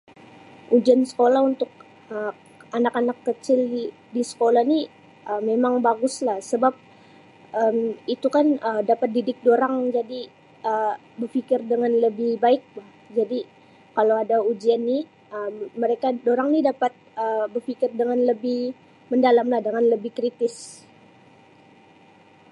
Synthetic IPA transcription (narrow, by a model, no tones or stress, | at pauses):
ʔud͡ʒiansə̥kolaɦunt̪ʊk̚ | ə | anakanakːət͡ʃɪl | disə̥kolahni | ʔəmemaŋbaɡʊslahsəbap̚ | əmit̪ukanədapat̪̚didɪk̚doɾaŋd͡ʒadi | ə | bərfikɪrdəŋanləbɪhbaɪk̚lah | d͡ʒadi | kalawadaud͡ʒianːi | əmːəɾekadoɾaŋnidapat̪̚əbərfikɪrdəŋanləbɪh | məndalamlahdəŋanləbɪhkɾit̪ɪs